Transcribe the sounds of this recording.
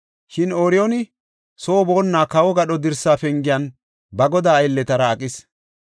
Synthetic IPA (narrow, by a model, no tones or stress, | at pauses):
ʃɪnoːɾɪjonɪ | so̞ːbo̞ːnːaːkɐwɔɡɐɗɔd̪ɪɾsaːfɛŋɡɪjɐn | bɐɡɔd̪aːjlːɛt̪ɐɾɐːkʼːɪs